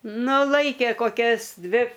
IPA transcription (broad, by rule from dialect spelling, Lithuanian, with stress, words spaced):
ˈnʊ ˈlˠɐɪkʲeː koːˈkʲɛs ˈdʲʋʲɪ